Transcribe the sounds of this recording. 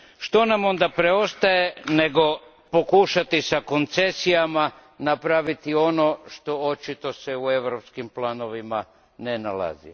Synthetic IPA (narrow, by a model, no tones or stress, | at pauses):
ʃt̪o̞namo̞nd̪apɾe̞o̞st̪aje̞ne̞ɡo̞ | po̞kuʃat̪isako̞nt̪se̞sijamanapɾaʋit̪io̞no̞ʃt̪o̞ot͡ʃit̪o̞se̞ue̞ʋɾopskimplano̞ʋima | nenala̰zḭ